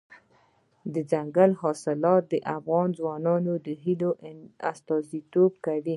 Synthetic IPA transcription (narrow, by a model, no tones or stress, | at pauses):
d̪əd͡ʒaŋɡalɦɑsɪlɑt̪̚d̪əʔafɣɑnzwɑnɑnod̪əɦiloʔast̪ɑzit̪ob̚kawi